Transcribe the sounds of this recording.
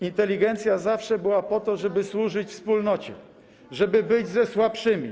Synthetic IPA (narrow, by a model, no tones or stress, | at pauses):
int̪ɛlʲiɡɛnt̪sʲjazafʂɛbɘwapɔt̪ɔʐɛbɘswuʐɘt͡ɕfspulnɔt͡ɕɛ | ʐɛbɘbɘd͡ʑzɛswapʂɘmʲi